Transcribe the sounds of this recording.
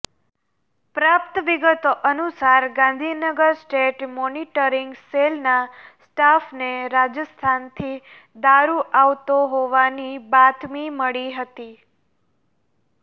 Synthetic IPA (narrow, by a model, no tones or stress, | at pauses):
pɾap̚t̪əʋiɡət̪oʔənusaɾɡãn̆d̪ʱinəɡəɾsʈeʈmɔniʈəɾiŋɡselnasʈafneɾad͡ʒəst̪ʰant̪ʰi | d̪aɾuʔaʋt̪oɦoʋanibat̪miməɭiɦət̪i